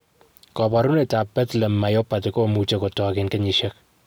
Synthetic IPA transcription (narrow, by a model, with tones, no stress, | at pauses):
kɔ˨bɔ˨ɾu˦ne˨ta˨pɛ˦tlɛ˨mːa˨jo˦pa˨tɪko˦mu˨t͡ʃe˦ko˨tɔ˨kɪnkɛ˦ɲiʃɛ˦k̚